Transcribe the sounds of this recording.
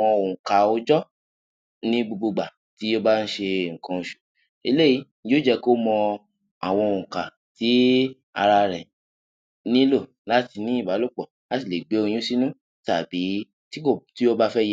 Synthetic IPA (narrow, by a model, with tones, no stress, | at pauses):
ɔ̃˧õ˨ka˨o˧d͡ʒɔ˦ | nĩ˦bu˧ɡ͡bu˧ɡ͡ba˨ | ti˨˦o˦ba˦˧n̩˦ʃe˧ŋ̩˨kã˧o˨ʃu̥˨ | i˧le˦ji˧˦nĩ˦d͡ʒo˦d͡ʒɛ˧ko˦mɔ̃˧ | a˨w̃ɔ̃˧o˨ũ˨ka˨ | ti˨˦ | a̰˧ɾa˧ɾɛ˨ | nĩ˦lo˦˨ | la˨˦ti˧nĩ˦i˦˨ba˨˦lo˦˨k͡pɔ˨ | la˨˦ti˦˨le˨ɡ͡be˨˦o˧j̃ĩ˦si˦nũ˦ | ta˨bi˨˦ | ti˦ko˦˨ti˦o˦ba˦fɛ˦je˦